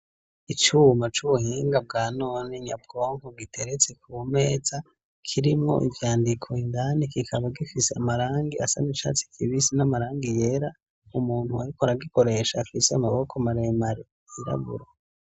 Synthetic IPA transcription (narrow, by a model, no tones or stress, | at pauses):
it͡ʃuːmat͡ʃuβuhiːŋɡab̚ɡaːnoːneɲa̰b̚ɡo̞ːŋkoɡitʰe̞ɾet͡sekʰuːme̞ːz̥a | kʰiɾimŋo̞̰ʔivjaːndikʰo̞indanikikʰaβaɡifiseamaɾaːŋɡiasanit͡ʃa̰t͡si̥kʰiβisinamaɾaːŋɡije̞ɾa | umuːn̥huaɾikoɾaɡiko̞ɾe̞ʃaːfiseamaβo̞kʰamaɾemaɾe | iɾa̰βṵɾa